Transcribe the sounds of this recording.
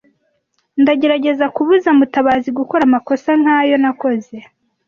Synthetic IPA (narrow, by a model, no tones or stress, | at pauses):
ndaɟe̞ɾaɟe̞zakuβuzamutaβaziɡukoɾamako̞saŋ̥haːjo̞nako̞ze̞